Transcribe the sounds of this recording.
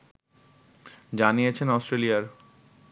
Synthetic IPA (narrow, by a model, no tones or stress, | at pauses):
d͡ʑanijet͡ɕʰenɔsʈɾelijaɾ